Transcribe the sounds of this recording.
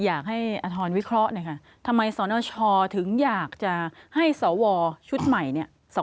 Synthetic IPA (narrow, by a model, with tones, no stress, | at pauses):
jaː˨˩k̚ha˥˩jʔa˧t̪ʰɔː˧nwi˦˥kʰɾɔ˦˥ʔna˦˥˩kʰa˦˥ | t̪ʰa˧mːa˧jsɔː˩˦nɔː˧t͡ɕʰɔː˧t̪ʰɯ˩˦ŋjaː˨˩k̚t͡ɕa˨˩ha˥˩jsɔː˩˦wɔː˧t͡ɕʰu˦˥t̪̚ma˨˩jni˥ɐ | sɔ˨˦